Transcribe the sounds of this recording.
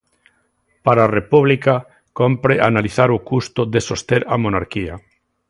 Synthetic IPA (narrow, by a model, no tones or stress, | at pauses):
paɾarepuβlika | kompɾeʔanaliθaɾʊkust̪ʊðesost̪eɾamonaɾkia